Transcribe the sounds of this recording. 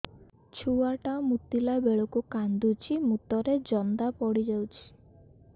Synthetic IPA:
t͡ʃʰuaʈamut̪ilabeɭɔkukand̪ut͡ʃʰimut̪ɔɾed͡ʒɔnd̪apɔɽid͡ʒawt͡ʃʰi̥

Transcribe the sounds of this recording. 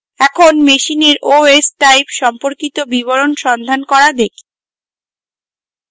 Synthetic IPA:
ɛkʰonmeʃineɾoesʈajpʃɔmpoɾkit̪obiβoɾonʃɔnd̪ʱankɔɾad̪ekʰi̥

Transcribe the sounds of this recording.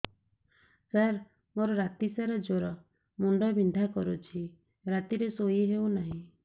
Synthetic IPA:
saɾ | moɾɔɾat̪isaɾɔd͡ʒoɾɔ | muɳɖɔbind̪ʱakɔɾut͡ʃʰi | ɾat̪iɾesojiɦewnaɦĩ

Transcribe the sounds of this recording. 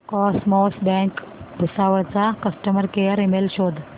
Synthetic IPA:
kɔsmɔsbɛ̃ŋk | bʱusaʋəɾt͡sakəsʈəməɾkejəɾemelɕoːd̪ʱ

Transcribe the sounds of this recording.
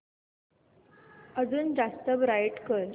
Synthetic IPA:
əd͡zuːnd͡zast̪əbɾajiʈkəl

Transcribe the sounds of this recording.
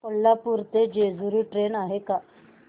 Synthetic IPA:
olːapuɾt̪ed͡ʑed͡zuɾiːʈɾenaɦeka

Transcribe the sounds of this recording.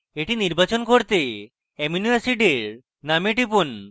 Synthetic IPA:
eʈiniɾbat͡ɕonkoɾt̪e | eminiasiɖeɾ | nameʈipun

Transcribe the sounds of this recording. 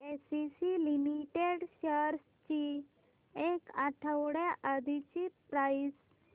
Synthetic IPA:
esisilimiʈeɽɕəɾs | t͡ɕi | ekaʈʰəwɽjaʔad̪ʱit͡ɕipɾais

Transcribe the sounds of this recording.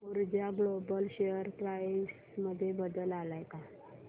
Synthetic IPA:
uɾd͡ʑjaɡlobəlɕejəɾkɾajs | məd̪ʱːjebəd̪əlalajka

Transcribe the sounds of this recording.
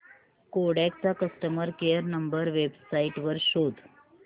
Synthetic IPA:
koɽak̚t͡sakəsʈəməɾkejəɾnəmbəɾʋebsaiʈʋəɾɕod̪ʱ

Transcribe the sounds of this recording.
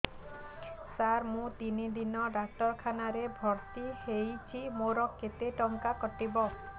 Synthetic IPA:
saɾmũt̪inid̪inɔɖak̚ʈɔɾkʰanaɾebʱɔɾt̪ihejt͡ʃʰimoɾɔkːet̪eʈɔŋkakɔʈibɔ

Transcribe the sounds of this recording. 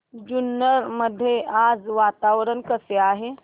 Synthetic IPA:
d͡ʒunːəɾməd̪ʱːjeʔad͡zʋat̪aʋɾənkəseaɦe

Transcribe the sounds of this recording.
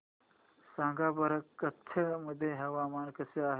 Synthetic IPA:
sãːŋɡaːbɐɾɐkːɐt̪ʰːɐmɐd̪ʱːjeɦɐʋaːmaːnkɐseaːɦ

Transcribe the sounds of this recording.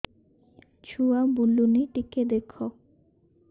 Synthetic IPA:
t͡ɕʰuabulːuniʈiked̪ekʰo

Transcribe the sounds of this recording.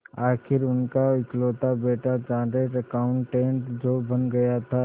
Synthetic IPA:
aːkʰɪɾʊnkaɪkloːt̪abeːʈʰat͡ʃãːɖeːʈəkaʊ̃ɳʈːẽːɳʈd͡ʒoːbɐnɡɐjat̪ʰa

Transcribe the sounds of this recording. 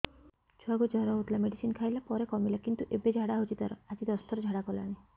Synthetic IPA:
t͡ʃʰaɡud͡ʒʱaɾɔɦut̪lameɽisinkʰajlapɔɾekɔmilakint̪uʔebed͡ʒʱaɽaɦot͡ʃʰit̪aɾɔad͡ʒid̪ɔst̪ʰɔɾɔd͡ʒʱaɽakɔla̰ɽ̃i

